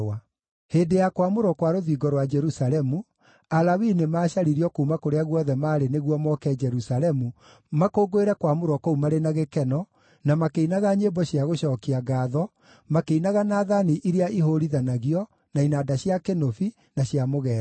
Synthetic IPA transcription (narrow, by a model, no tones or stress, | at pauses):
a | heːdejakwamoɾɔkwaɾoðiɡɔɾwad͡ʒɛɾusalɛmu | alawinemaːɕaɾiɾiɔkoumakoɾeaɣwɔðɛmaːɾeneɣwɔmɔkɛd͡ʒɛɾusalɛmu | makoːɡoeɾɛkwamoɾɔkɔumaɾenaɣekɛnɔ | namakeinaɣaɲebɔɕiaɣoɕɔːkiaɡaːðɔ | makeinaɣanaðaniʔiɾeaʔiɦoɾiðanaɣiɔ | nainaːdaɕjakenofi | naɕjamoɣɛːɾ